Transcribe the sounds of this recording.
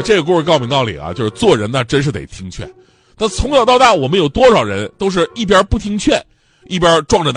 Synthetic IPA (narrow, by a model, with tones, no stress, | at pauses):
ʈ͡ʂe˥˩o˨˩ku˥˩ʂɻ̩˧˩kɑ˥˩ʊmʰi˧˥ŋt̪ɑ˥˩ʊlḭ˨˩ɐ̰˦t͡ɕjo˥˧ʂɻ̩˥˧t͡swɔ˥˩ɻə˧˥nnə˧ʈ͡ʂə˥nʂɻ̩˥˩t̪e˨˩ɪt̪ʰi˥ŋt͡ɕʰɥɛ̰˥˩n | t̪a˥˩t͡sʰʊ˧˥ŋjɑ˨˩ʊt̪ɑ˥˧ʊt̪a˥˩wɔ˨˩mə˦njo˨˩ʊt̪wɔ˥ʂɑ˨˩ʊɻə˧˥nt̪o˥ʊʂ̬ɻ̩˥˧i˥˩p̬jɐ˥pu˥˩t̪ʰi˥ŋt͡ɕʰɥɛ˥˩n | i˥˩pjɐ˥ʈ͡ʂwɑ˥˩ŋʈ͡ʂə˩n˥